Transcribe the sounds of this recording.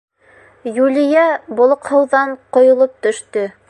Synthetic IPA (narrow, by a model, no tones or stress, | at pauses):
julʲijæbŏlˠŏqhɤ̆wðɑɴqŏjŏlˠop̚t̪ɵ̆ʃt̪ɵ